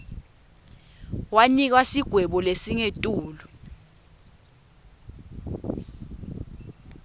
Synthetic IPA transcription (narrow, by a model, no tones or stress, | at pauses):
wanik̬wasiɡ̥ʱwɛɓɔlesiŋetʼuːlɔ